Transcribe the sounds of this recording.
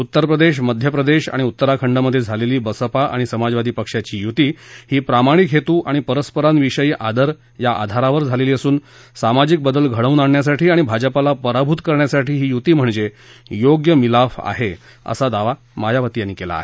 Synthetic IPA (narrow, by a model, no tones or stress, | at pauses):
ut̪ːəɾpɾəd̪eɕ̬məd̪ʱjəpɾəd̪eɕa̰ɽ̃iut̪ːəɾakʰəɳɖəməd̪ʱːjed͡zʱaleliːbəsəpaʔa̰ɽ̃isəmad͡zʋad̪ʱiːpəkʂjat͡ɕiːjut̪iːhiːpɾamaɽ̃ikɦet̪uːʔaɽ̃ipəɾəspəɾanʋiʂəjiːʔad̪əɾ | jaʔa̰d̪ʱaɾaʋəɾd͡zʱaleliːəsuːn | samad͡ʑik̚bəd̪əlɡʱəɽ̃əunaɳɳjasaʈiːaɽ̃ibʱad͡ʑəpalapəɾabʱut̪kəɾɳjasaʈʰiːɦiːjut̪iːm̤əɳd͡ze | joɡjəmilafa̰ɦe | ə̰sad̪aʋa | majaʋət̪ijanːikela̰ːɦe